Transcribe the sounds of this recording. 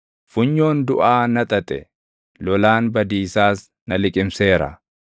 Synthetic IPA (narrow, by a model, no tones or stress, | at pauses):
fʊɲːo̞ːnd̪ʊʔaːnɐt̪ʼɐt̪ʼɛ̰ | lɔlaːnbɐd̪iːsaːs | nɐlɪkʼɪmse̞ːɾɐ̰